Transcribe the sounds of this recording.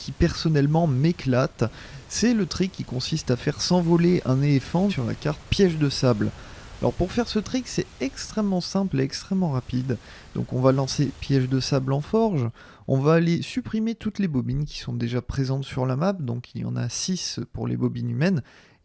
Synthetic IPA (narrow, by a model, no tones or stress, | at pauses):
kʲʰipɛʁsɔnɛlmɑ̃meklat̪ | sɛlət̪χikʲːikɔ̃sist̪afɛʁsɑ̃vɔleʔɛ̃nelefɑ̃syʁla̰kaʁt̪pjɛʒd̪əsablalʔɔ̰ʁpuʁfɛʁsət̪χiksɛɛkst̪χɛmːɑ̃sɛ̃pleɛkst̪χɛmːɑ̃ʁapid̪ | d̪ɔ̰̃kɔ̃valɑ̃sepjɛʒd̪əsablɑ̃fɔʁʒ | ɔ̃vaːlesypχimet̪ut̪lebɔbinkʲi̥sɔ̃d̪eʒapχezɑ̃t̪syʁlamap̚d̪ɔ̃kiljɑ̰̃na̰sispuʁlḛbɔbinymɛn